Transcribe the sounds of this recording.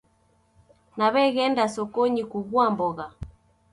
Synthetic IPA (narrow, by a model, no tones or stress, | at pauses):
naβɛɣɛndasɔkɔɲikuβwambɔɣa